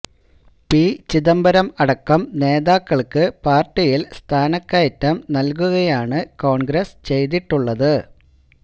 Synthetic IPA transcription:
pit͡ɕiðɐmbɐɾɐmɐɽɐkːɐmne̞ːðaːkːɐɭkɨpaːrʈːijilst̪ʰaːnɐkːajɐtːɐmnɐlk̬uɣɐjaːɳɨko̞ːɳɡɾɐst͡ɕe̞jt̪iʈːuɭːɐðɨ

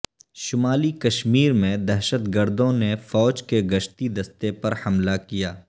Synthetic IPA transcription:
ʃʊmaːlikɐʃmiːɾmẽd̪ɛɦʃət̪ɡəɾd̪õnefɔːd͡ʒkeɡɐʃt̪id̪ɐst̪epɐɾhɐmlakijaː

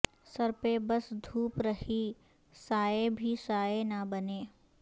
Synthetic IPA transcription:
sɐɾpebɐsd̪ʱuːpɾɐhi | saːebʱisaːenɐbɐneː

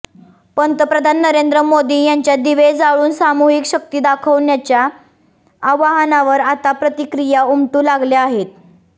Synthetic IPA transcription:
pəɳt̪əpɾəd̪ʱanːəɾend̪ɾəmod̪iːjaɲt͡ɕjad̪iʋed͡zaɭuːnsamuɦikɕək̚t̪iːd̪akʰəʋnjat͡ɕjaː | ʋaɦənaʋəɾat̪apɾət̪ikɾijaumʈuːlaɡljaaɦet̪̚

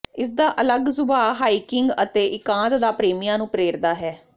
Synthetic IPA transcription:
ɪs̬d̪aːʔələɡsʊbaːɦaːiːkɪŋɡə̰t̪eːʔɪkãːt̪d̪aːpɾeːmijãːnũːpɾeːɾd̪aːɦɛː

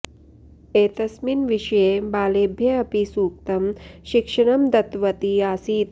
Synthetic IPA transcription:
eːt̪ɐsminʋiʂɐjeːbaːleːbʱjɐɐpisuːk̚t̪ɐmʃikʂɐɳɐmd̪ɐt̪ʋɐt̪iaːsiːt̪̚

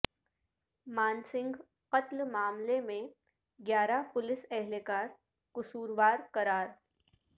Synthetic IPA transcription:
maːnsɪ̃ŋɡ | qɐt̪lmaːmlemẽ | ɡjaːɾapʊlɪsɛɦlekaːɾ | kʊsuːɾʋaːɾkɐɾaːɾ

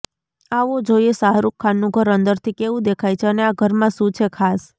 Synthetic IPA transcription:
aʋod͡ʒojesaɦɾukʰːanːũɡʱəɾənd̪əɾt̪ʰikeʋũd̪ekʰajt͡ʃʰeəneaɡʱəɾmãʃũt͡ʃʰekʰas

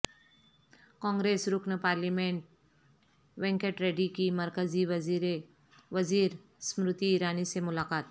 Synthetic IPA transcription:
kɔ̃ŋɡɾesɾuknəpaɾlimeɳʈ̚ | ʋẽŋkeʈɾeɖikiməɾkəd͡ziʋ | ʋəd͡ziːɾ | smɾut̪iːɾanisemulakat̪̚

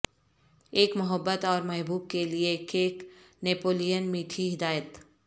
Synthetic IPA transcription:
eːkmʊɦəbːət̪ɔːɾmɐɦbuːb̚keliekeːk | neːpoːlijənmiːʈʰiɦɪd̪aːjət̪

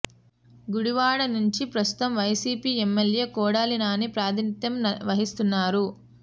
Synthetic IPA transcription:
ɡuɽiʋaːɽɐnuɲt͡ʃipɾɐst̪u̥t̪ɐmʋɐjsiːpiːemːelje̞ːkɔːɽaːlinaːnipɾaːd̪ʱinit̪jɐmʋɐɦist̪unːaːɾu

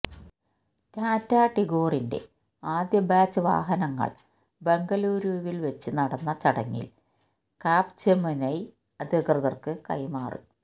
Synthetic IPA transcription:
taːtːaːʈːiɡo̞ːrinde̞̰ | aːd̪jɐbaːt͡ɕːɨʋa̰ːɦɐnɐŋːɐ̰ɭ | be̞ŋɡɐluːɾuːʋilʋet͡ɕːɨnɐɽɐnːɐt͡ɕɐɽɐ̰ŋːḭl | kaːpt͡ɕemɨnɐj | ɐd̪ikrɨðɐrkɨkɐ̰jmaːrɨ̰

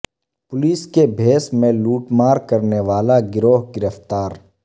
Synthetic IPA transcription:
pʊliːskebʱeːsmẽluːʈmaːɾkɐɾneʋaːlaɡɪɾoːɦɡɪɾəft̪aːɾ

